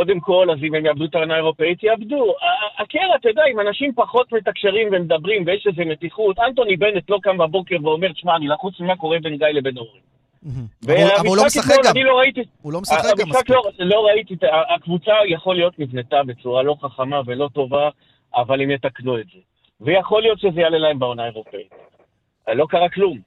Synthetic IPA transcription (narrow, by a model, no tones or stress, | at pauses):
ko̞d̪e̞mko̞lazimemjabd̪ut̪aʁanae̞ʁo̞pe̞it̪jabd̪uaːkeʁat̪edaimanaʃimpaχo̞t̪me̞takʃe̞ʁimvemedabʁimvejeʃezemet̪iχut̪ant̪o̞nibe̞net̪lo̞kambabo̞ke̞ʁveo̞me̞ʁet̪ʃmaːnilaχut͡smimako̞ʁebe̞nɡajlebe̞novʁi | veamisakiχonanilo̞ʁait̪i | aamisχaklolo̞ʁait̪iaːkvut͡sajaχo̞lijo̞t̪nivne̞t̪abe̞t͡suʁalo̞χaχamave̞lo̞to̞va | ʔːvalemjet̪aknue̞tze̞ | vejaχo̞lijo̞t̪ʃezejalelae̞mbao̞nae̞ʁo̞pe̞it̪ | lo̞kaʁaklum